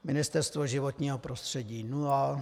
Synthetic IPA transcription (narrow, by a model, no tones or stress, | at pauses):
mɪnɪst̪ɛɾst̪voʒɪvot̪ɲiːɦopɾost̪r̝̥ɛɟiːnua